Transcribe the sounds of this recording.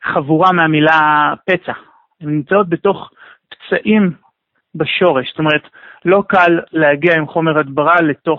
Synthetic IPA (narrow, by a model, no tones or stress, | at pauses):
χavuʁameamilape̞t͡sa | emnimt͡sao̞t̚be̞to̞χpt͡saʔim | baʃo̞ʁe̞ʃst̪o̞meʁetlo̞kalːehaɡiaimχo̞meʁadbaʁale̞to̞